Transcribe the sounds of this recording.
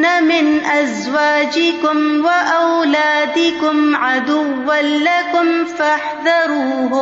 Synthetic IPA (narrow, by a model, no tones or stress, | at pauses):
namɪnʔaz | waːd͡ʒɪkʊmwaʔawlaːd̪ɪkʊmʕad̪ʊwːanlakʊmfaħðɑɾuːɦʊ